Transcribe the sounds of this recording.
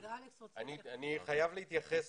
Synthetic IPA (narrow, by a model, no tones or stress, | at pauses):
anianiχajavleit̪jaχes